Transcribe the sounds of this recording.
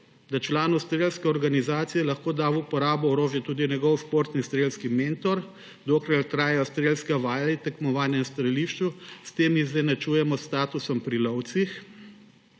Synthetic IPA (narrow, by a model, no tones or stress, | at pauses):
d̪at͡ʃlaːnɔwst̪ɾeːlskɛɔɾɡanizaːt̪sijɛlɐxkoːd̪aːwupɔɾaːbɔɔɾoːʒjɛt̪uːd̪inʲjɛɡɔwʃpoːɾt̪nist̪ɾeːlskimeːnt̪ɔɾ | d̪oːkɾaɾt̪ɾaːjɛjɔst̪ɾelskɛʋaːjlɛt̪ɛkmɔʋaːnjɛnst̪ɾɛliːʃt͡ʃust̪eːmizɛnɐt͡ʃuːjɛmɔst̪aːt̪usɔmpɾilɔwt̪six